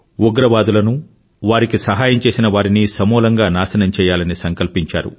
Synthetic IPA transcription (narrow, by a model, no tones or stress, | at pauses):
uɡɾɐʋaːd̪ulɐnu | ʋaːɾikisɐɦaːjɐmt͡ʃe̞ːsinɐʋaːɾinisɐmɔːlɐŋɡaːnaːsɐnɐmt͡ʃɛːjaːlɐnisɐŋkɐlpiɲt͡ʃaːɾṵ